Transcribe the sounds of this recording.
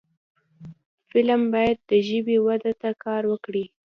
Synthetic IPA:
fɪlmbɑjad̪̚ːəʒəbiwad̪at̪akʰɑɾwəkɽi

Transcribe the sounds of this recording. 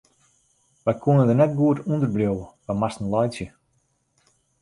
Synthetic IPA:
ʋɛjkʰuənədərnɛt̚ɡuətundərbrjowwəʋɛmastn̩lɔjsjə

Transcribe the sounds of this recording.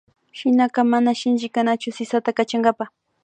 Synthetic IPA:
ʃɪnaqɑmanaʃɪnt͡ʃɪkanat͡ʃʊsɪsat̪akat͡ʃaŋɡapa

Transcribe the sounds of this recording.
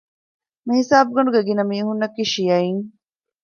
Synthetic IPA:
mihisaːbuɡɐɳɖuɡeɡinɐmiːɦunːɐkiːʃijɐiŋ

